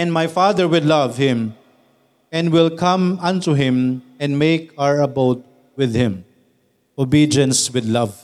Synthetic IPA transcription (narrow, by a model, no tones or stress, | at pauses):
ɛ̃nmajfad̪əɾwɪdlʌvhɪ̃m | ɛ̃nwɪlkʰʌ̃mʌ̃ntuɦɪ̃m | ɛ̃nmekaɹəboʊt̚ | wɪd̪hɪ̃m | obiːdiə̃nswɪd̪lʌv